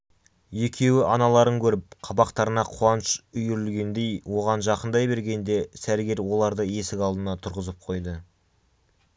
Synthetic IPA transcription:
e̞kʲʰe̞wɪʔɑnɑlˠɑɾəŋkʲʰɵɾɪp̚qʰɑbɑqt̪ɑɾənɑqʰʊɑnəʃʏjɪɾɪlɡʲe̞nd̪e̞jwʔo̞ʁɑnʒɑqənd̪ɑjbe̞ɾɡʲe̞nd̪e̞sæɾɡʲe̞ɾwo̞lˠɑɾd̪əe̞sɪkɑlˠd̪ənɑt̪ʰʊɾʁəzəp̚qʰo̞jd̪ə

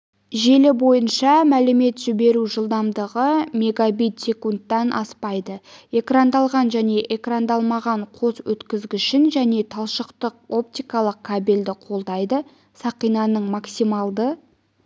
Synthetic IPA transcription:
ʒe̞lɪbo̞jənʃɑmælɪme̞t̪ʒ̥ɪbe̞ɾuʒəlˠd̪ɑmd̪əʁəme̞ɡabijt̪sʲe̞kunt̪ːɑnʔɑ̰spɑjd̪əe̞krand̪ɑlˠʁɑnʒæne̞ʔe̞krand̪ɑlˠmɑʁɑɴqʰo̞swɵt̪kʲɪzɡʲɪʃɪnʒæne̞t̪ʰɑlˠʃəqt̪əq̚o̞p̚t̪ijkɑlˠəq̚kʰabeld̪ɪqʰo̞lˠd̪ɑjd̪ə | sɑqijnɑnəɴmaksijmɑlˠd̪ə

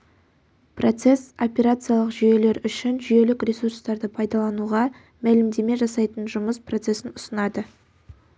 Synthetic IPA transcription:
prʔo̞t̪se̞so̞pʲeɾat̪sɨjalˠəqʒije̞le̞ɾʏʃɪnʒʏje̞lɪkrʲesurst̪ɑɾd̪əpʰɑjd̪ɑlˠɑnuʁɑ | mælɪmd̪e̞me̞ʒɑsɑjt̪ənʒʊməspro̞t̪se̞sɪnʊsənɑd̪ə

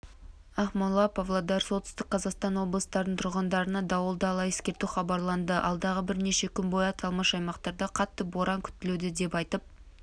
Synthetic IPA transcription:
ɑχmɑnlˠɑpʰɑvlˠɑd̪ɑɾso̞t̪ɪst̪ɪk̚qʰɑzɑqst̪ɑnwo̞blˠəst̪ɑɾd̪əɴt̪ʰʊɾʁənd̪ɑɾənɑd̪ɑwəlˠd̪ɑlˠɑjeskʲe̞ɾt̪uχɑbɑɾlˠɑnd̪əʔɑ̰lˠd̪ɑʁəbɪɾne̞ʃe̞kʲʰʏnbo̞jɑt̪ʰɑlˠməʃɑjmɑqt̪ɑɾd̪ɑqʰɑt̪ːəbo̞ɾɑŋkʲʰʏ̥t̪ːɪled̪ɪd̪e̞pɑjt̪əp̚

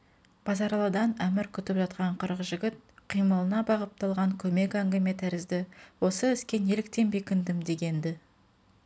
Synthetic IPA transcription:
b̥ɑzɑɾɑlˠɑd̪ɑnæmɪɾkʲʰʏt̪ɪpʒɑt̪̚qɑɴqʰəɾəʁəʒɪɡʲɪt̪̚qʰijməlˠənɑbɑʁəp̚t̪ɑlˠʁɑŋkʲʰɵme̞kæŋɡʲɪme̞t̪ʰæɾɪzd̪ɪwo̞səɪskʲe̞ne̞lɪk̚t̪e̞nbekʲɪnd̪ɪmd̪e̞ɡʲe̞nd̪ɪ

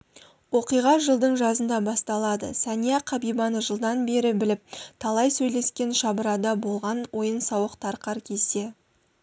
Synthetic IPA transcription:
wo̞qijʁɑʒəlˠd̪əɴʒɑzənd̪ɑbɑst̪ɑlˠɑd̪ə̰sænijɑqʰɑbijbɑnəʒəlˠd̪ɑnbe̞ɾɪbɪlɪp̚t̪ʰɑlˠɑjsɵjle̞skʲe̞nʃɑbəɾɑd̪ɑbo̞lˠʁɑnwo̞jənsɑwəqt̪ʰɑɾqɑɾkʲʰe̞se̞

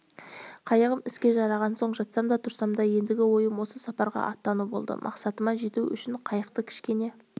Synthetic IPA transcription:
qʰɑjəʁəmɪskʲe̞ʒɑɾɑʁɑnso̞ɴʒɑt̪sɑmd̪ɑt̪ʰʊɾsɑmd̪ɑje̞nd̪ɪɡʲɪwo̞jəmwo̞səsɑpɑɾʁɑ̰ʔɑt̪ːɑnubo̞lˠd̪ə̰mʔɑ̰qsɑt̪əmɑʒe̞t̪uʏ̰ʃɪɴqʰɑjəq̚t̪əkʲʰɪ̥ʃkʲe̞ne̞

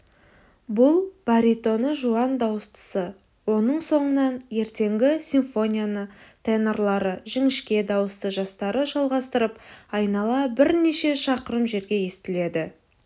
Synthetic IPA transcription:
bʊlˠb̥aɾit̪o̞nəʒuɑnd̪ɑwəst̪ə̥sə | wo̞nəɴso̞ɴənɑnje̞ɾt̪e̞ŋɡʲɪsʲinfo̞nʲijanət̪ʰeneɾlˠɑɾəʒɪŋɪʃkʲe̞d̪ɑwəst̪əʒɑst̪ɑɾəʒɑlˠʁɑst̪əɾəpɑjnɑlˠɑbɪɾne̞ʃe̞ʃɑqəɾəmʒe̞ɾɡʲe̞je̞st̪ɪle̞d̪ɪ

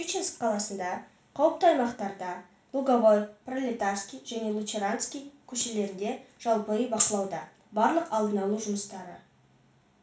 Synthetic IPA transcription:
it͡ʃenskqʰːɑlˠɑsənd̪ɑ | qʰɑwəp̚t̪əɑjmɑqt̪ɑɾd̪ɑ | lˠuɡavojprolʲet̪arskʲijʒæne̞lˠuseɾant̪skʲijkʲʰɵʃe̞le̞ɾɪnd̪e̞ʒ̥ɑlˠpəəbɑqəlˠɑwd̪ɑ | bɑɾlˠəqɑlˠd̪ənɑlˠuʒʊməst̪ɑɾə̰

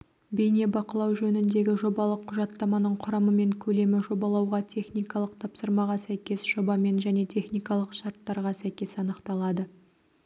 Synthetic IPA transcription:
be̞jne̞bɑqəlˠɑwʒɵnɪnd̪e̞ɡʲɪʒo̞bɑlˠəqʰːʊʒɑt̪ːɑmɑnəɴqʰʊɾɑməme̞ŋkʲʰɵle̞mɪʒo̞bɑlˠɑwʁɑt̪ʲʰe̞χnijkɑlˠəqt̪ʰɑpsəɾmɑʁɑsæjkʲe̞sʒ̥o̞bɑme̞nʒæne̞t̪ʰe̞χnijkɑlˠəqʃɑɾt̪ːɑɾʁɑsæjkʲe̞sɑnəqt̪ɑlˠɑd̪ə

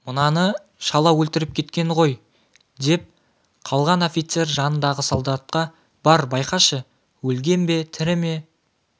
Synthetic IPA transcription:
mʊnɑnə | ʃɑlˠɑwɵlt̪ɪɾɪp̚kʲʰe̞t̪kʲe̞nʁo̞j | d̪e̞p̚ | qʰɑlˠʁɑno̞fʲijt̪se̞rʒɑnənd̪ɑʁəsolˠd̪ɑt̪̚qɑ | b̥ɑɾbɑjqɑʃə | wɵlɡʲe̞nbe̞t̪ʰɪɾɪme̞

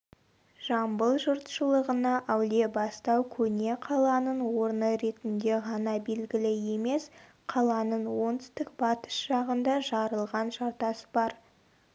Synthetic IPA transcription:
ʒ̥ɑmbəlˠʒʊɾt̪ʃəlˠəʁənɑʔæwle̞bɑst̪ɑwkʲʰɵne̞qʰɑlˠɑnənwo̞ɾnəɾe̞t̪ɪnd̪e̞ʁɑnɑbe̞lɡʲɪlɪje̞me̞s | qʰɑlˠɑnənwont̪ʏ̥st̪ɪk̚bɑt̪ə̥ʃʒ̥ɑʁənd̪ɑʒɑɾəlˠʁɑnʒɑɾt̪ɑsəbɑɾ

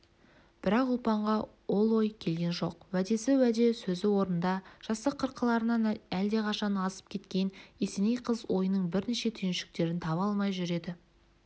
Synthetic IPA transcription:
b̥ɪɾɑqʊlˠpɑɴʁɑ | wo̞lˠwo̞jkʲʰe̞lɡʲe̞nʒo̞̰qwæd̪e̞sɪwæd̪e̞sɵzɪwo̞ɾənd̪ɑʒ̥ɑst̪əqʰːəɾqʰːəlˠɑɾənɑnæld̪e̞qʰɑʃɑnɑsə̥p̚kʲʰe̞t̪kʲe̞nesenejqʰəzwo̞jənəɴbɪɾneʃe̞t̪ʰʏjɪnʃɪ̥k̚t̪e̞ɾɪnt̪ʰɑβɑlˠmɑjʒʏɾe̞d̪ɪ

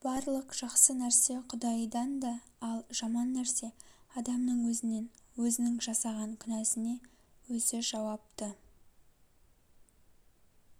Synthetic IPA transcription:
b̥ɑɾlˠəqʒ̥ɑqsənæɾse̞qʰʊd̪ɑjd̪ɑnd̪ɑ | ɑlˠʒ̥ɑmɑnːæɾse̞ɑd̪ɑmnəɴwɵzɪnenwɵzɪnɪŋʒɑsɑʁɑŋkʲʰʏnæsɪne̞ | wɵzɪʒɑwɑp̚t̪ə

